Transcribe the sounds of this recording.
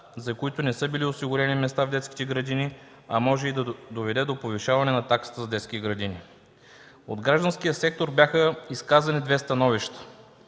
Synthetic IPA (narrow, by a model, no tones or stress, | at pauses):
zɐkoit̪ʊnɛsɤbiliosiɡʊɾɛnimɛst̪avd̪ɛt̪ski̥t̪ɛɡɾɐd̪ini | ɐmɔʒɛid̪ɐd̪ovɛd̪ɛd̪opoviʃavɐnɛnɐt̪aksi̥t̪əzɐd̪ɛt̪skʲit̪ɛɡɾɐd̪ini | od̪ɡɾaʒd̪ɐnskijəsɛk̚t̪oɾbjaxəiskazɐnid̪vɛst̪ɐnɔviʃt̪ə̥